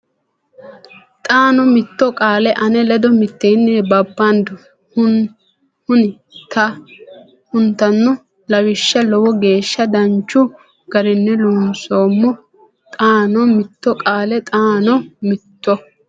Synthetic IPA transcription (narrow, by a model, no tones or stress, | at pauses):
t̪ʼaːnɔmɪt̪ːɔkʼaːlɛʔɐnɛlɛd̪ɔmɪt̪ːenːɛbɐbːand̪ʊ | hʊnɪ | t̪ɐ | hʊnt̪ːɐnːʊ | lɐwɪʃːɐlɔwɔɡe̞ːʃːɐd̪ɐnt͡ʃːʊ | ɡ̥ɐɾɪnːɛlunsoːmːɔ | t̪ʼaːnɔmɪt̪ːɔkʼaːlɛt̪ʼaːnɔmɪt̪ːɔ